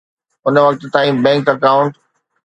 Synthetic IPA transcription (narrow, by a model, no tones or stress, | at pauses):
ʊnəʋɐk̚t̪t̪aːĩbɛ̃ːŋkɐkaːʊ̃ɳʈ